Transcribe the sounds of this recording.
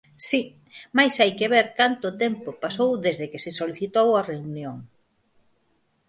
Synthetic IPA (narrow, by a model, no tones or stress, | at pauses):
si | majsajkeβ̞eɾkant̪ʊt̪empopasowðezðɪkesɪsoliθit̪owɐreunjoŋ